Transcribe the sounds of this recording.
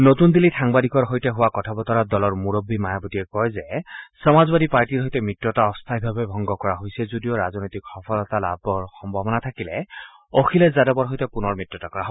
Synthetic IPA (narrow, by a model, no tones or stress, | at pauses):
notund̪ilitʰaŋbadikɔɹɦojtɛɦʊwakɔtʰabɔt̪ɔɹadɔlɔɹmuɹobːimajabɔtiɛkɔjzɛsɔmazbadipaɹtiɹɦojtɛmitɹɔtaɔst̪ʰajbʱabɛbʱɔŋɡɔkɔɹaɦojsɛzudijɔɹaznɔjtikxɔpʰɔlɔt̪ala̰bɔɹxɔmbʱɔbɔnat̪ʰakilɛ | okʰilɛzadɔbɔɹɦojtɛpʊnɔɹmɹitɹɔtakɔɹaɦo